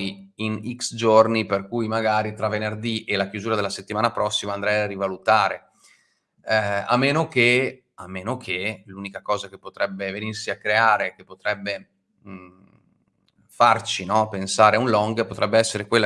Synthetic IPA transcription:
i | iniksd͡ʒorniperkujmaɡaːɾit̪ɾavenerd̪iʔelakjuzuːɾad̪elːaset̪ːimaːnapɾɔsːimaːnd̪ɾɛjarivalut̪aːɾe | a̰mːeːnoke | a̰mːeːnokʰeluːnikakɔːzakepːot̪ɾɛbːevenirsiakːɾeaːɾek̟epːot̪ɾɛbːe | fart͡ʃinɔpensaːɾeunlɔŋɡpot̪ɾɛbːeɛsːeɾekwelːa

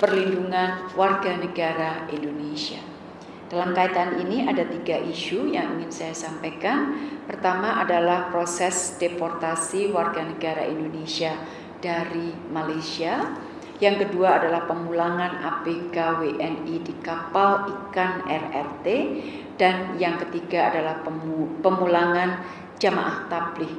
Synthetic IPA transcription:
pərlinduŋanwarɡanəɡaɾaindonesia | d̥alamkait̪aniniʔadat̪iɡaʔiʃujaŋḭŋɪnsajasampajkanpərt̪amaʔadalahpɾosɛsd̥epɔrt̪asiwarɡanəɡaɾa̰ʔindonesia | d̥aɾimalajsia | jaŋkəduaːdalahpəmulaŋana̰bekaweʔɛnidikapalikanɛrɛ̰rt̪e | d̥anjaŋkət̪iɡaːdalahpəmulaŋan | d͡ʒama̰ʔaht̪ablɪh

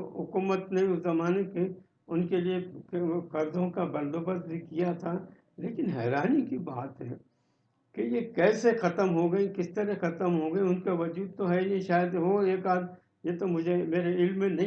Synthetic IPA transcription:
ɦʊkuːmət̪nẽʊzɐmaːneke | ʊnkeliekɐɾd̪õkabɐ̃nd̪oːbəst̪̚bʱikijat̪ʰa | leːkɪnɦɛːɾaːnikibaːt̪ɦɛː | kejekɛːsexɐt̪əmɦoɡɐikɪst̪əɾɛxɐt̪əmɦoɡɐeʊnkeʋɐd͡ʒuːd̪̚t̪oɦɛiniʃaːjəd̪ʋoeːkaːd̪ | jet̪omʊd͡ʒʱemeːɾeɪlmːẽnɐĩ

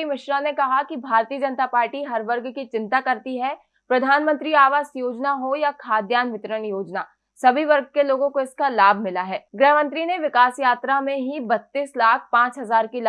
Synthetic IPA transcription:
imɪʃɾanekɐɦakibʱaːɾt̪iəd͡ʒɐnt̪apaːɾʈiɦɐɾʋɐɾɡkit͡ʃɪ̃nt̪akɐɾt̪iɦɛ | pɾɐd̪ʱaːnmə̃nt̪ɾiaːʋaːsjoːd͡ʒnaɦojakʰaːd̪jaːnʋɪt̪əɾənjoːd͡ʒnaː | sɐbʱiʋɐɾɡ̚keloːɡõkoɪskalaːbʱmɪlaɦɛːɡɾɛːɦmə̃nt̪ɾineʋɪkaːsjaːt̪ɾamẽɦibɐt̪ːiːslaːkʰpãːt͡ʃɦɐzaːɾkil

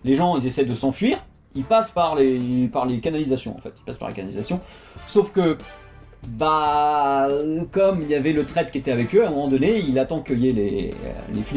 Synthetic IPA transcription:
leʒɑ̃ilzesɛjd̪əsɑ̃fɥiʁ | ilpaspaʁlepaʁlekanalizasjɔ̰̃ɑ̰̃fɛt̪i̥lpaspa̰lḛkanalizasjɔ̃ | sofkə | ba | kɔmiljavɛlət̪χɛt̪̚kʲiet̪ɛavɛkøãmɔmɑ̃d̪ɔneilat̪ɑ̃kəjelḛø̰lḛfli

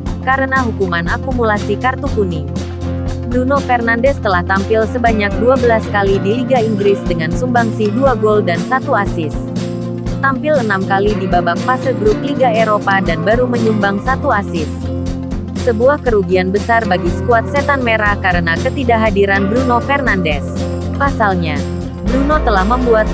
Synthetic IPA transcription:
kaɾənaɦukumanakumulasikart̪ukuni | bɾunofərnandɛst̪əlaht̪ampɪlsəbaɲak̚duabəlaskalidiliɡaiŋɡɾɪsdəŋansumbaŋsihduaɡoldansat̪uasɪs | t̪ampɪlənamkalidibabaŋfasəlɡɾup̚liɡaeɾopadanbaɾuməɲumbaŋsat̪uasɪs | səbuahkəɾuɡianbəsarbaɡisə̥kuat̪̚set̪anmeɾahkaɾənakət̪idaɦadiɾanbɾunofɛrnandɛs | pasalɲa | bɾunot̪əlahməmbuat̪̚

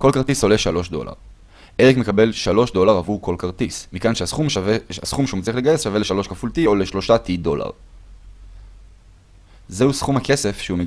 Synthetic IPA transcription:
ko̞lkaʁt̪iso̞le̞ʃalo̞ʃdo̞̰la̰ʁ | eʁikme̞kabe̞lʃalo̞ʃdo̞laʁavuko̞lkaʁt̪ismikanʃeasχumasχumʃeut͡sliχleɡajesʃaveleʃalo̞ʃkafultio̞leʃlo̞ʃatido̞la̰ʁ | zeusχumhake̞se̞fʃeume

